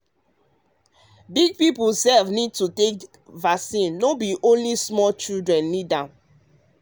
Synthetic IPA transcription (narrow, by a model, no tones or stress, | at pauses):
biɡ̚pipulsɛlvnid̚tutek | vasĩnːobiʔõnlismɔlt͡ʃildɹɛ̃nːidã